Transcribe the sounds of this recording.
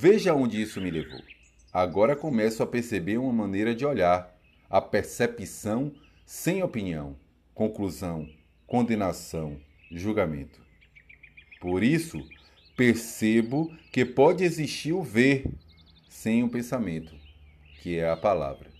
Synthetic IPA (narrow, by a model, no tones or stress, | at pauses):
veʒaõnd͡ʒɪisʊmɪlevo̰w | aɡɔɾɐkõmɛsʊɐpeɾsebeɾũmɐmɐ̃nejɾɐd͡ʒɪɔʎaɾ | ɐpeɾsepisɐ̃w̃ | sẽj̃opiniɐ̃w̃ | kõkluzɐ̃w̃ | kõnd̪ẽnasɐ̃w̃ | ʒuɡamḛ̃nt̪ʊ̥ | poɾisʊ | peɾsebʊkepɔd͡ʒɪeziʃt͡ʃiɾʊveɾ | sẽj̃ũpẽsamẽnt̪ʊ | kɪɛɐpala̰vɾɐ